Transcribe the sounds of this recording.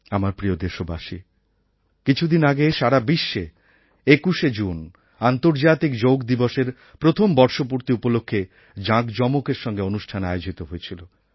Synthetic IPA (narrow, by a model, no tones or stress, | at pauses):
amaɾpɾiod̪eʃobaʃi | kit͡ɕʰud̪inaɡeʃaɾabiʃːe | ekuʃed͡ʑun | ant̪oɾd͡ʑat̪ikd͡ʑowkd̪iboʃeɾ | pɾot̪ʰombɔɾʃopuɾt̪iupolokʰːe | d͡ʑãkd͡ʑɔmokeɾʃɔŋɡeonuʃʈʰanea̰eod͡ʑit̪oɦoet͡ɕʰilo